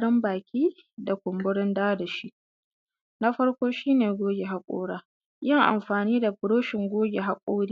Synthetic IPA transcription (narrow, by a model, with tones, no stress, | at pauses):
ɽɪ˦mbaː˨kʲiː˦ | da˨kʷʊ˨mbʊ˦ɽɪ˦ndaː˦da˨ʃi˦ʔ | na˦ɸɐ˦ɽkʷoː˦ʃiː˦neː˨ɡʷoː˦ɡʲe˨ɦa˦kʷʼo̰ː˦ɽaː˦ | jɪ˦ŋʔa̰˨mɸaː˨niː˦da˨bʊ˨ɽoː˦ʃɪ˨ŋɡʷoː˦ɡʲe˨ɦa˦kʷʼoː˦ɽiː˦